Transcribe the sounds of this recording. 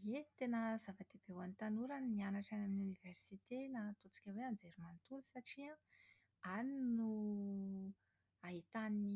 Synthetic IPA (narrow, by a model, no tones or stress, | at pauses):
et̪enəzavad̪ebewant̪anuɾannianaʈ͡ʂanaminiuniveɾsit̪enat̪ot͡si̥kʲaweand͡zeɾumant̪ulusaʈ͡ʂia | aninu | aɦit̪anini